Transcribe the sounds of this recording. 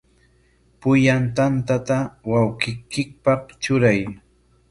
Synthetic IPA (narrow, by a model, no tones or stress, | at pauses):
pʊjant̪ant̪at̪awawkɪkɪk̚pɑχt͡ʃʊɾaj